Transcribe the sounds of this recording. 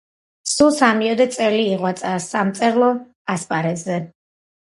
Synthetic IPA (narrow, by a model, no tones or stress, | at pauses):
sulˠsamiɔd̪ɛt̪sʼɛliːʁwat̪sʼasamt̪sʼɛɾlˠɔ | aspʼaɾɛzɛ